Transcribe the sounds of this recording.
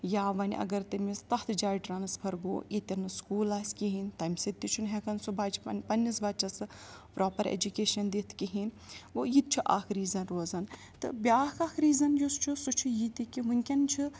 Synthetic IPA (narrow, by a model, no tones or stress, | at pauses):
jaːʋɐnʲʔɐ̰ɡɐɾt̪ɐmist̪ɐt̪ʰd͡ʒaːjʈɾaːnɐspʰɐɾɡo̰ːit̪ʲɐnɨskuːlaːsʲkʲiɦinʲt̪ɐmʲsɐt̪ːit͡ʃʰunɦɛkɐnsubat͡ʃpɐnʲːisbat͡ʃɐsɨpɾoːpɐɾḛd͡ʒukeːʃɐnd̪it̪ʰkiɦin | ʋojit̪̚t͡ʃʰiʔa̰ːkʰɾiːzɐnɾoːzɐn | t̪ɨ̰bʲiaːkaːkʰɾiːzɐnjost͡ʃʰusut͡ʃʰujit̪ikʲiɦunʲkʲɐnt͡ʃʰi